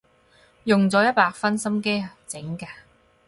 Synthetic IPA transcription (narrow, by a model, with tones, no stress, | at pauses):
jʊ˨ŋt͡sɔː˨˧˥jɐ˥t̚paː˧k̚fɐ˥nsɐ˥mke˥jt͡sɪ˨˥ŋkaː˧